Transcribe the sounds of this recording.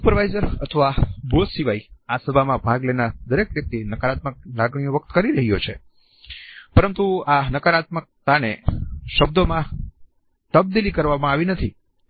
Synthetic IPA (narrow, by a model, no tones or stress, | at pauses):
supəɾʋajzəɾət̪ʰəʋabʱod̪siʋaiasəbʱamãbʱaɡlenad̪əɾekʋjək̚t̪inəkaɾat̪mək̚laɡɳijõʋək̚t̪kəɾiɾəɦijot͡ʃʰe | pəɾənt̪uanəkaɾat̪̚mək̚t̪aneʃəb̚d̪omã | t̪əb̚d̪ilikəɾʋamãaʋinət̪ʰi